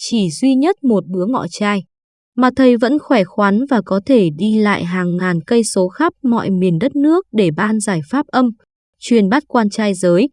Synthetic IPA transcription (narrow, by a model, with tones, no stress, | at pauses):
t͡ɕi˧˩zwi˧ɲə˦˥t̚mo˨˩t̚ɓɨ˨˦əŋɔ̰˧˨t͡ɕaː˧j | maː˨˩t̪ʰə˨˩jvə̰˧˥nxwɛ˧˩xwa˨˦nvaː˨˩kɔ˨˦t̪ʰe˧˩ɗi˧la̰ː˧˨jɦaː˨˩ŋːaː˨˩nkə˧jso˨˦xa˦˥p̚mɔ̰˧˨jmi˨˩ənɗə˦˥t̚nɨ˦˥ək̚ɗe˧˩ɓaː˧nzaː˧˩jfaː˦˥p̚ʔə˧m | t͡ɕwi˨˩ənɓa˦˥t̚kwaː˧nt͡ɕaː˧jzəː˨˦j